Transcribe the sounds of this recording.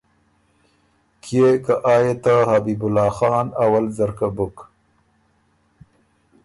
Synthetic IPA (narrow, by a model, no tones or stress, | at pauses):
kʰjekaʔɑːjet̪ahabibʊlɑːxɑːnawalzaɾkabʊk